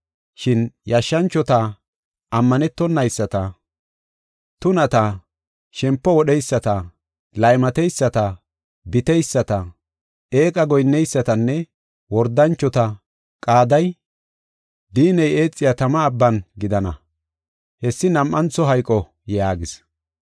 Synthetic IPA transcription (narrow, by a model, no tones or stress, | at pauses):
ʃɪnjɐʃːɐnt͡ʃːɔt̪ɐ | ʔɐmːɐnɛt̪ːɔnːɐjsːɐt̪ɐ | t̪ʊnɐt̪ɐ | ʃɛmpːɔwɔɗɛjsːɐt̪ɐ | lɐjmɐt̪ɛjsːɐt̪ɐ | bɪt̪ɛjsːɐt̪ɐ | eːkʼɐɡɔjnːɛjsːɐt̪ɐnːɛ | wɔɾd̪ɐnt͡ʃːɔt̪ɐ | kʼaːd̪ɐj | d̪iːnɛje̞ːt͡sʼːɪjat̪ɐmɐːbːɐnɡɪd̪ɐnɐ | hɛsːɪnɐmʔːɐnt͡sːɔɦɐjkʼːɔ | jaːɡɪs